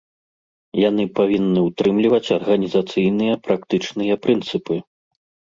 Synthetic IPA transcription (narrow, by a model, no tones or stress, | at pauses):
janɨpavʲinːɨwt̪ɾɨmlʲivɐt͡sʲɐrɣɐnʲizat̪sɨjnɨjɐpɾakt̪ɨt͡ʂnɨjɐpɾɨnt̪sɨpɨ